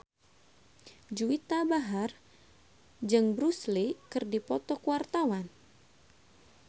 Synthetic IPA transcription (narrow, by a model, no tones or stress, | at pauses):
d͡ʒuit̪abaɦar | d͡ʒɨŋbɾuslikɨrdipɔt̪ɔkuwart̪awan